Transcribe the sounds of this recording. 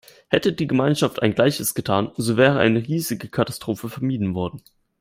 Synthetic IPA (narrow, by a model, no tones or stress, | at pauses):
hɛtədiːɡəmaɪnʃaftʔaɪnɡlaɪçəsɡ̥ətʰaːnzovɛːʁəʔa̰ɪnəʁiːzɪɡəkʰatḁstʁ̥oːfəfɛɐmiːdn̩vɔɐdn̩